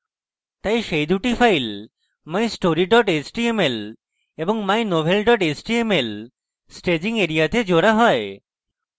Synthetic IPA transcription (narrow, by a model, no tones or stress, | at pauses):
t̪ajʃejd̪uʈifʰajl | majsʈoɾiɖɔʈet͡ɕʈiemel | eboŋmajnobʱelɖɔʈet͡ɕʈiemel | sʈed͡ʑiŋeɾiat̪ed͡ʑoɾaɦɔe